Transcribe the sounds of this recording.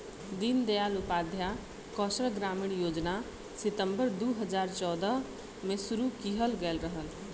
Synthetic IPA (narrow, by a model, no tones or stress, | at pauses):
d̪ɪnd̪ejaːlʊpaːd̪ʱja | kɔːʃɾəɡɾaːmɪɳjoːd͡ʒna | sɪt̪ə̃mbəɾd̪oːɦəd͡ʒaːɾt͡ʃɔːd̪ə | mẽsʊɾukiɦəlɡɛlɾəɦəl